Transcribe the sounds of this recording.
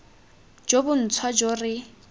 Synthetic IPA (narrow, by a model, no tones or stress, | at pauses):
d͡ʒobʊn̩t͡sʰwad͡ʒorɪ